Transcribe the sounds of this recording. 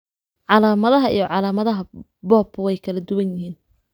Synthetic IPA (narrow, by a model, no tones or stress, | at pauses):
ʕɑlaːmɐðɐɦɐʔijɞʕɑlaːmɐðɐɦɐ | bɔːbʊwɛjkʰɐlɐd̪ʊwɐnjɪhiːn